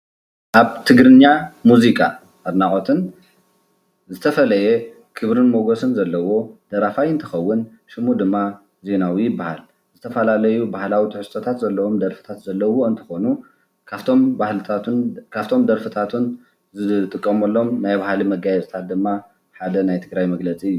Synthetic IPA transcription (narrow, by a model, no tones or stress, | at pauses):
ʔaβt̪ʰɨɡɾɨɲːamuzikʰʼa̰ | ɐɾnaʔʼot̪ʰɨn | zɨt̪ʰɐfɐlɐje | kʰɨβɾɨnmoɡosɨnzɐlːɐwo̞d̪̥ɐɾafajɨnt̪ʰɐxɐwːʊn | ʃɨmud̪ɨmːa | ze̞nawijɪbːahal | zɨt̪ʰɐfɐlalɐjubahlawit̪ʰɨħɨst̪ʰot̪ʰat̪zɐlːɐwo̞md̪ɐɾfɨ̥t̪ʰat̪zɐlːɐwo̞ɨnt̪ʰɨ̥xo̞nu | t̪ʰombahlɨt̪ʰat̪unkʰaβt̪ʰo̞md̪ɐɾfɨt̪ʰat̪ʰun | zɨt̪ʼɨkʼːɐmɐlːo̞mnajβahalimɐɡajɛzt̪ʰat̪̚d̪ɨmːa | ħad̪ɐnajt̪ʰɨɡɾajmɐɡlɐt͡sʼiɨjːu